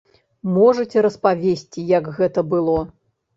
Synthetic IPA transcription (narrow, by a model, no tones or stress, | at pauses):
mɔʐɐt͡sʲɛɾɐspavʲesʲt͡sʲijɐɡɣɛt̪ɐbɨlˠɔ